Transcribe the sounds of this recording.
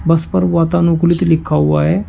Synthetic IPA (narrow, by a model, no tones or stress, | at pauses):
bɐspəɾʋaːt̪anuklit̪likʰːauaɦe